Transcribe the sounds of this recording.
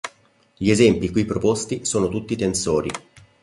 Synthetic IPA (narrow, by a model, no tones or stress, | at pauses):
ʎiezɛmpikwipːɾopost̪isoːnot̪ut̪ːit̪ensoːɾḭ